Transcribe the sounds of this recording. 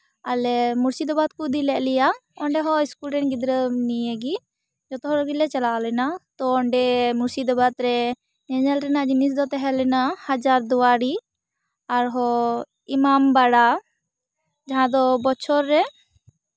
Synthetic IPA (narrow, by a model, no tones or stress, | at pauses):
alɛmuɾsid̪ɔbat̪̚kud̪ilɛʔlɛjaɔɳɖɛɦɔ̃iskulɾɛnɡid̪ɾənijeɡi | d͡ʒɔt̪ɔɦɔɾɔɡilɛt͡ʃalalɛnat̪ɔːɳɖɛmuɾsid̪ɔbat̪ɾɛ | ɲɛɲɛlɾɛnaʔd͡ʒinisd̪ɔt̪ɛɦɛlɛnahad͡ʒaɾd̪uwaɾi | aɾɦɔ | imambaɽa | d͡ʒaɦãd̪ɔbɔt͡ʃʰɔɾːɛ